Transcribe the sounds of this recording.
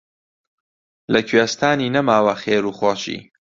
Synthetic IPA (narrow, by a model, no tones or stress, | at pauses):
lɐkʰɥest̪ʰaːniːnɐmaːwɐχeːɾuːχoːʃḭː